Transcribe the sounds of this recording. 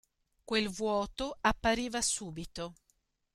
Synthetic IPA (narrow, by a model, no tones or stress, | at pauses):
kwelvwɔːt̪oapːaɾiːvasuːbit̪o